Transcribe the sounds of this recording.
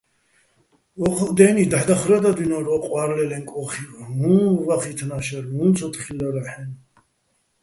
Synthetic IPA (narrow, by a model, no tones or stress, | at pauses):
vɔqʰd̪ɛːnid̪aħd̪aχɾad̪ad̪inɔɾɔqʼwaɾlɛlɛŋkʼɔχimunvaχit̪ʰnaʃɛɾmunt͡sʰɔt̪ʰχilaɾaħɛn